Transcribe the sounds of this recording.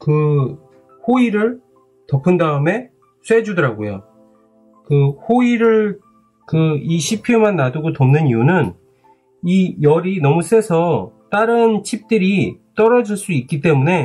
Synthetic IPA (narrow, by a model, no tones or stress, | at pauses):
kɯ | hoiɾɯɭ | tʌpʰɯndaɯme̞ | s͈ʰe̞d͡ʑudʌɾaɡojo̰ | kɯhoiɾɯɭ | kɯiɕʰipʰjomanːaduɡotʌmnɯniunɯn | ijʌɾinʌmus͈e̞sʰʌt͈aɾɯnt͡ɕʰip̚t͈ɯɾit͈ʌɾʌd͡ʑiɭs͈uik͈it͈e̞mune̞